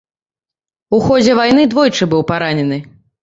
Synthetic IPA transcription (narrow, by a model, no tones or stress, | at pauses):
uxɔd͡zʲɛvajn̪ɨd̪vɔjt͡ʂɨbɨwpaɾanʲɛnɨ